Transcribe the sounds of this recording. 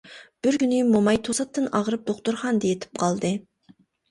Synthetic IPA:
b̥ɪɾkʲynɪmomɑjt̪ʰosɑt̪ːɨnɑʁɾɨp̚d̪oqt̪uɾχɑnd̪ejet̪ʰɪ̥p̚qʰɑlˠd̪ɨ

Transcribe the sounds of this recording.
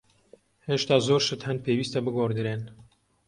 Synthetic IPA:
heːʃt̪aːzoːɾʃɨt̪hɐnd̪̚pʰeːwiːst̪ɐbɨɡoɾd̪ɨɾeːn

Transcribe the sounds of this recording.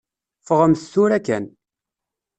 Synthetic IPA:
fəʁəmθθuɾækæn

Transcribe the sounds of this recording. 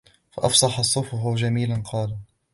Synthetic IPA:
fa̰ʔɑ̰fsˤɑħɑsˤːʊfʊɦʊd͡ʒamiːlanqʰɑːla

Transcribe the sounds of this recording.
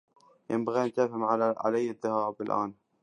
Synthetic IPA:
jɪ̰mbaɣiːant̪aːfhɪmʕaʕa̰lajːaðːahɑːɾbɪlʔa̰ːn

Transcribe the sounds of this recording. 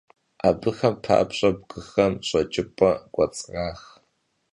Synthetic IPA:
abɨxɐmpʰa̰pɕʼɐb̚ɡɨxɐmɕʼɐt͡ʃʼɪpʼɐɡʷʼɐt͡sʼʁaːx

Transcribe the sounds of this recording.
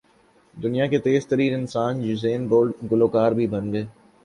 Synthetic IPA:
d̪ʊnijaket̪eːzt̪əɾiːnɪnsaːnjʊzeːnboːlɖɡʊloːkaːɾbʱibɐnɡɐeː

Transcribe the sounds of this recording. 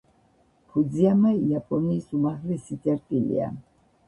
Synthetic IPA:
pʰud̪ziamaiapʼɔniːsumaʁlɛsit̪ʼɛɾt̪ʼilḭa̰

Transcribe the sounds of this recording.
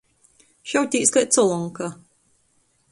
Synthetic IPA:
ʃawt̪ʲiːskat̪sɔlˠɔŋka

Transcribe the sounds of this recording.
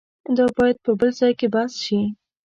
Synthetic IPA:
d̪ɑbɑjad̪̚pəbəlzɑjkebasʃi

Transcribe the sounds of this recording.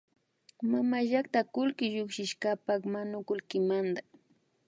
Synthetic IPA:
mamaʒakt̪akʊlkɪʒʊkʃɪʃkapakmanʊkʊlkɪmand̪a

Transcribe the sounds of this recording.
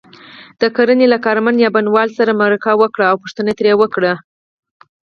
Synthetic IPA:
d̪̥əkaɾənelakɑɾmanjɑbanwɑlsaɾamaɾakɑwəkɽaːwpuʂt̪ənat̪ɾjewəkɽa

